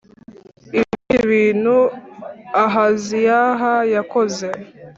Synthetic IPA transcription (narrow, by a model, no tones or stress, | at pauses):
iβiiβiːnhu | aɦazijaɦajakoze̞